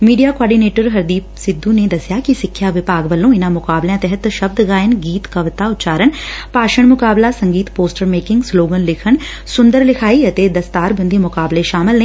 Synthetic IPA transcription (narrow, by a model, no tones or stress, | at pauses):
miːɖijaːkoaːɾɖiːneːʈəɾɦɐɾd̪iːpsɪd̪ːuned̪ɐsjakisɪkʰːjaʋɪpaːɡʋəlːõɪnãmʊkaːbljãt̪ɛɦət̪ʃɐb̚d̪ɡaːjənɡiːt̪kɐʋt̪aʊt̪t͡ʃaːɾəɳpaːʃəɽ̃mʊkaːblasɐ̃ŋɡiːt̪poːsʈəɾmeːkɪ̃ŋɡsloːɡənlɪkʰən | sʊ̃nd̪əɾlɪkʰaːiɐt̪ed̪ɐst̪aːɾbə̃nd̪imʊkaːbleʃaːmɪlnː